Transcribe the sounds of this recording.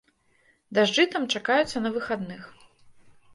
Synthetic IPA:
d̪aʐd͡ʐɨt̪ɐmt͡ʂakajut̪sːɐnɐvɨxad̪nɨx

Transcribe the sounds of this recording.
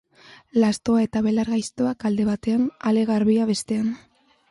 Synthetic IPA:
last̪o̞ae̞t̪aβe̞laɾɣajst̪oakald̪e̞βat̪e̞anale̞ɣaɾβiaβe̞st̪e̞an

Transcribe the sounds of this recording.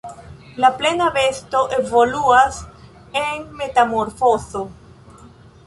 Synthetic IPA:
laple̞nave̞sto̞ʔe̞vo̞luas | e̞nme̞tamo̞ɾfo̞zo̞

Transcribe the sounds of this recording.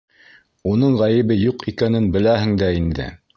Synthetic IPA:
unɤɴʁæjɘ̆βɘjuqikænɘnbɘ̆læɦɘ̆ŋd̪æind̪ɘ̰

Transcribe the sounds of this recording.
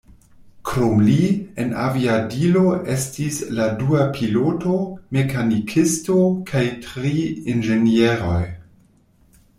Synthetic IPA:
kɾomliena̰viadilo̞ʔe̞stisladuapʰilotome̞kanikʰistokʰajtɾiinʒenieɾo̞̰j

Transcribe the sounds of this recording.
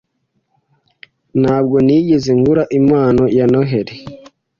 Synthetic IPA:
nhaːb̚ɡoniɟezeŋɡuɾaʔimaːnojanoɦeɾe

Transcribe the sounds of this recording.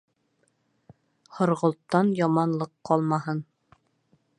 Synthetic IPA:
hŏɾʁŏlˠt̪ːɑnjɑmɑnlˠɤqːɑlˠmɑhɤn

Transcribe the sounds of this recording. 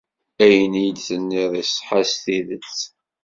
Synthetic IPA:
æjənijəd̪θənːiðˤisˤħasθiðət͡sː

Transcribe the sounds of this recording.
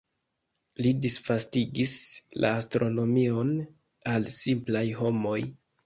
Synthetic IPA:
lidisfastiɡislʔa̰ːstɾo̞no̞mio̞n | alsimplajɦo̞mo̞j

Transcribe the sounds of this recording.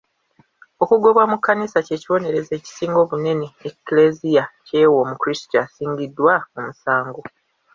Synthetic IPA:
o̞kuɡo̞βwamukːanisace̞ːciwo̞ne̞ɾe̞ze̞ːci̥siːŋɡo̞ːβune̞ne̞eklezijace̞ːwomukuɾistasiːɲɟidːwaomusaːŋɡo̞

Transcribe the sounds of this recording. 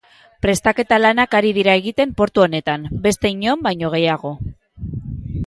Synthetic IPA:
pɾe̞st̪ake̞t̪alanakaɾiðiɾaeɣit̪e̞mpo̞ɾt̪uo̞ne̞t̪ambe̞st̪e̞iɲo̞mbajɲo̞ɣ̞e̞jaɣ̞o̞

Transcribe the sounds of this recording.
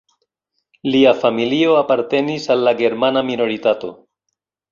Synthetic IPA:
liafamilio̞apaɾte̞nisalːaɡe̞ɾmanamino̞ɾitato̞

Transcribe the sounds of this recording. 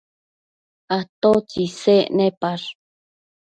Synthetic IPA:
at̪ot͡sisenẽpaɾ

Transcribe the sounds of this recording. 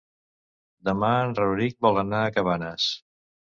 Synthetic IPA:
d̪əmaənrəɾik̚bɔlˠənaəkəβanəs

